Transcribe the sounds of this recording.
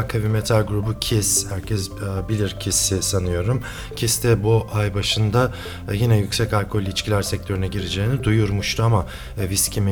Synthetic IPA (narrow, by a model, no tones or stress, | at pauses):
kʰavimet̪ʰalʲɡɾubucʰishæɾcʰɛsbilʲiɾcʰisisanɯjo̞ɾum | cʰist̪ʰɛbuʔajbaʃɯnd̪a | jinɛjycsɛcalʲkʰo̞lʲit͡ʃkcʰilʲæɾsɛc̚t̪ʰø̞ɾynɛɟiɾed͡ʒɛːnid̪ujuɾmuʃt̪ʰuama | viscʰʲimi